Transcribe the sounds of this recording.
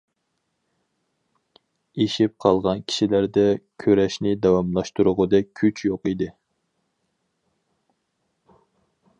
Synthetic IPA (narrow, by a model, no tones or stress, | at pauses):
eʃip̚qʰɑlˠʁɑnkʲʰi̥ʃilæɾd̪ɛkʲʰøɾɛʃnɪd̪ɑwɑmlˠɑʃt̪uɾʊʁʊd̪ɛkʲʰyt͡ʃʰjoqid̪ɪ